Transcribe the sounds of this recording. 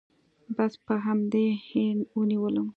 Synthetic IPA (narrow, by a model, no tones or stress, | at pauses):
baspəɦamd̪ehɪnwəniwəlum